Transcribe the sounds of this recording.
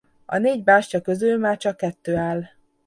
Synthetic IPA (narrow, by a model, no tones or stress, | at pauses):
ɒ̰neːɟbaːʃcɒkø̞zylmaːrt͡ʃɒkːɛt̪ːøːaːl